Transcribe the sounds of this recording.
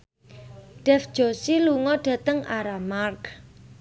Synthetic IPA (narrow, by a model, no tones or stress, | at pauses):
ɖ̥ɛfd̥d͡ʒ̥o̤siluŋɔɖ̥ä̤t̪əŋaɾamark